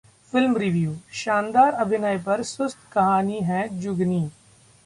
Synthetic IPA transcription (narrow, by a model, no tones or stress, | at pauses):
fɪlmɾɪʋjuːʃãːnd̪aːɾɐbʱɪnaːepɐɾsʊst̪kɐɦaːniɦɛ̃d͡ʒʊɡniː